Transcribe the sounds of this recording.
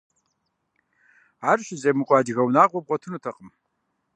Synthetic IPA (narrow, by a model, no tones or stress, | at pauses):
aːrɕɪzeːmɨkʷʼɑːd͡ʒɪɣɐwnaːʁʷɔp̚qʷʼɔtʰɨnutʰɐqʼəm